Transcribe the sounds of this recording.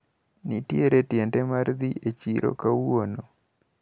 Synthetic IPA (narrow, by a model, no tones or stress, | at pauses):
nitjeɾetjɛntɛmaɾd̪iet͡ʃiɾo̰kawono